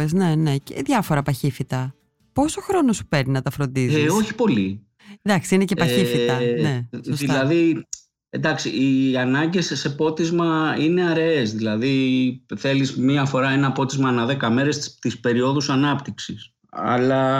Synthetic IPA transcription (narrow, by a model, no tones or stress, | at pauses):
ezne̞ne̞cḛðʝɐfo̞ɾɐpɐçifit̪ɐ | po̞so̞xɾo̞no̞su̥pe̞ɾninɐt̪ɐfɾo̞nd̪izo̞çi̥po̞li | d̪ɐksiine̞ce̞pɐçifit̪ɐne̞sosilɐði | end̪ɐksiiɐnɐɲɟe̞sːe̞po̞t̪izmɐine̞ɐɾeesðilɐðiθe̞lizmiɐfo̞ɾɐenɐpo̞t̪izmɐːnɐðe̞kɐme̞ɾe̞st̪ispe̞ɾio̞ðusɐnɐpt̪iksis | ɐ̰lɐ